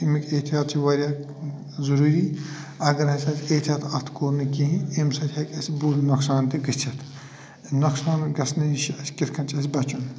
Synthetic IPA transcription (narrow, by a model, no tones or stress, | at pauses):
imikʲʼet̪ʰijaːt̪̚t͡ʃʰiʋɐɾʲjaː | zɐɾuːɾiː | ɐɡɐɾɦɐsʲasʲet̪ʰaːt̪ʰɐt̪ʰkoːɾnɨkiɦĩemsɐt̪ʰʲɐkʲɐsʲibuːlnɐksaːnt̪iɡɐt͡ʃ̪ʲʰɐt̪ʰ | nɐksaːnɡɐsnɨʃɐskʲit̪ʰkʰɐnt͡ʃʰɐsʲbɐt͡ʃun